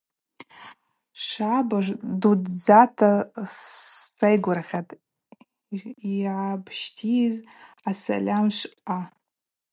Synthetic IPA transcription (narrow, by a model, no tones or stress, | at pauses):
ʂabaʐdudd͡zatʰast͡sʼajɡʷʊrχʲatʼ | iʕabʰʃtʰiz | asa̰lʲamʃʷa